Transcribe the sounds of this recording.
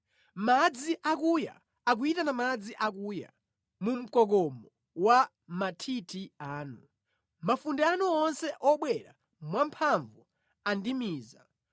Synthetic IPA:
mad͡ziʔakuja̰ː | k̬uitanamad͡ziʔak̬uːja̰ | mum̩kɔkɔmɔ | wa | matʰitʰiaːnu | mafundɛanuɔnsɛʔɔɓwɛɾa̰ | mwampʰaɱvu | andimiːza̰

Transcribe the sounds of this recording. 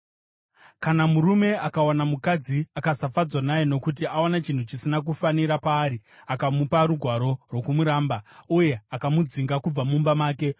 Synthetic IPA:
kanamuɾume̞akawanamukad͡ziakasafad͡zwanajeno̞kut̬iaonat͡ʃintʰut͡ʃisinak̬ufaniɾapaːɾiakamupaɾuɡʱwaɾo̞rwo̞kumuɾaːmbauje̞akamud͡ziŋɡakub͡vamumbamaːke̞

